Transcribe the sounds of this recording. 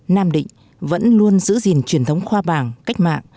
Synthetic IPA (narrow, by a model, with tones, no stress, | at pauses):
naː˧mɗḭ̈˧˨ŋ̟ | və̰˧˥nlu˧ənzɨ̰˧˥zi˨˩nt͡ɕwi˨˩ənt̪ʰwŋ͡mxwaː˧ɓaː˨˩ŋka˦˥jk̟̚ma̰ː˧˨ŋ